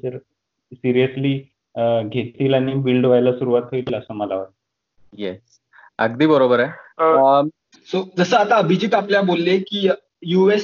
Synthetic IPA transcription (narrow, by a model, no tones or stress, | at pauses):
səɾ | siɾijəsliː | ɡʱet̪̚t̪iːlaɽ̃ibilɖʋajlasuɾuʋat̪ɦoiləsəːməlaʋəɾt̪ə | jɛs | əɡd̪iːbəɾobəɾa | sod͡zəsəːat̪aəbʱid͡ʑiːt̪apljabolːekiː | jues